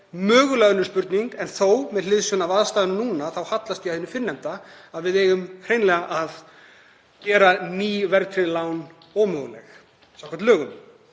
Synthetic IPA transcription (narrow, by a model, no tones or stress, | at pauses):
mœːɣʏlɛɣnːʏɾ̥spʏɾt̪niŋkɛnθowmɛðlɪðsʏnavaðst̪aːðʏnnuːnaθawhat̪last̪iahɪnːʏfɪnːɛmt̪aaðvɪðeːjɣʏmkʰɾejnlɛɣaʔað | cɛːɾaniːvɛɾt̪ɾɪlawn | ɔːmœːɣʏlɛ̰x | sawkʰɛ̥ɾt̪lœːɣʏm